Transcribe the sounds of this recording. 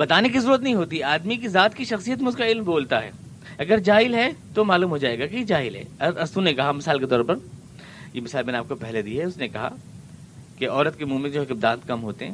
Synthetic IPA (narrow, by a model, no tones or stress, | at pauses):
bɐt̪aːnek̬izɐɾuːɾət̪̬nɐɦĩɦoːt̪̬iɦɛaːd̪mik̬izaːt̪kiʃɐxsijət̪meʊd͡ʒkaɪlmboːlt̪aɦɛ̰ː | ɐɡəɾd͡ʒaːɪlɦɛt̪omaːluːmɦod͡ʒaːeːɡaked͡ʒaːɪlɦɛ̰ːɐɐsunekɐɦamɪsaːlket̪ɔːɾpɐɾ | jemɪsaːlmɛneaːp̚kopɛɦled̪iɦɛʊsnekɐɦa̰ | keɔːɾət̪̚kemuːmɪ̃nd͡ʒoːɦkɪbd̪ãːt̪kɐmɦoːt̪eɦɛ̃ː